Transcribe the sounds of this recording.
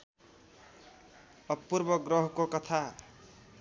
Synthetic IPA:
ʌpːurbʌɡrʌɦkokʌt̪ʰa

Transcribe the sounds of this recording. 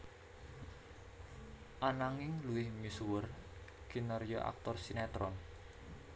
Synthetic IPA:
ʔanaŋɪŋluwɪhmisuwʊr | ɡ̥inərjɔʔa̰k̚t̪ɔrsinat̪ɾɔn

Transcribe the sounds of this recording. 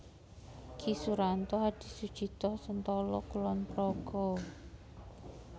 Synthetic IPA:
kʰisuɾant̪ɔɦad̥i̤sud̥ʒ̥i̤t̪ɔhsənt̪ɔlɔkulɔnpɾɔɡ̥ɔ

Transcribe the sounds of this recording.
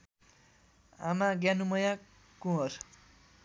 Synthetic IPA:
a̰maɡjanumʌja | kũɦʌr

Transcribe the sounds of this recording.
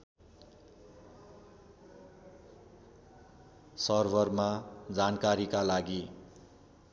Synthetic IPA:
sʌrbʌrmad͡zankaɾikalaɡi

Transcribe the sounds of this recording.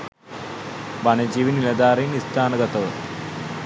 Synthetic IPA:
ʋɐnɐd͡ʑiːʋinilɐd̪aːɾinist̪ʰaːnɐɡɐt̪ɐʋ

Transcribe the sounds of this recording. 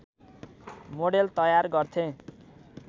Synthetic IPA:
moɽelt̪ʌjarɡʌrt̪ʰẽ

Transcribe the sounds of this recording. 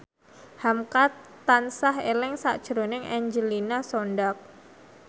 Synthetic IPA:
hamkat̪ansaɦelɪŋsa̰ʔd̥ʒ̥əɾonɪŋʔaɲd͡ʒəlinasonɖak̚

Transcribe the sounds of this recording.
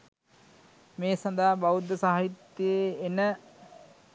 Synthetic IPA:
meːsɐnd̪aːbaʋud̪əsaɦit̪ːjeenə

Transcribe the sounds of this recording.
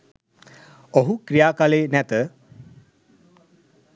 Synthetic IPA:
oɦukɾijaːkaleːnæt̪ə

